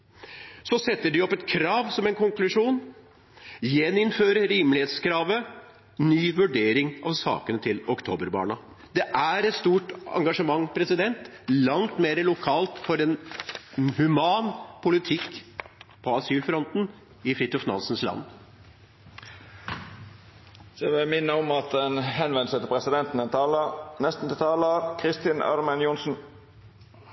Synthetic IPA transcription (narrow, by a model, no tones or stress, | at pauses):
sɔsɛt̪ːəɖɪɔpːɛt̪kʰɾɑːʋsɔmɛɪnkʊŋklʉʂuːn | jɛnːɪnføːɾəɾiːmlɪheːt̪skʰɾɑːʋə | nyːʋʉɖeːɾɪŋɑʋsɑ̰ːkənət̪ʰɪlɔkt̪ʰoːbəɾbɑ̰ːɳɑ | d̪ɛʔæɾɛt̪st̪uːʈɑ̰ŋɡɑʂəmɑŋːpʰɾɛsɪd̪ɛnt̪lɑŋt̪meːɾəlʊkʰɑːlt̪fɔɾɛn | hʉmɑːnpʰʊlɪt̪ʰɪkː | pʰɔɑsyːlfɾɔnt̪n̩ | ɪfɾɪt̪ʊfnɑ̰nsn̩slɑ̰nː | sɛʋɪlmɪnːəɔmɑt̪̚d̪ɛnhɛnʋɛnsət̪əpʰɾɛsɪd̪ɛnt̪n̩ɛɑnɛst̪n̩t̪ɪt̪ʰɑːləkʰɾɪst̪ɪnɑ̰ɾmɛnjʊnsn̩